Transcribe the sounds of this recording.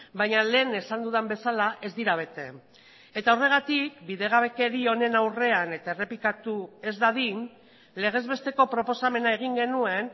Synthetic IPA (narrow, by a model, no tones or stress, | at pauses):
bajɲale̞ːne̞sand̪uðembe̞salaʔe̞zd̪iɾaβ̞e̞t̪e̞ | e̞t̪aore̞ɣ̞at̪ikbiðe̞ɣ̞aβe̞ke̞ɾio̞ne̞nawre̞ane̞t̪ae̞re̞plikat̪ue̞zd̪aðin | le̞ɣ̞e̞zβe̞st̪e̞ko̞pɾo̞po̞same̞nae̞ɣ̞iŋɡe̞nue̞n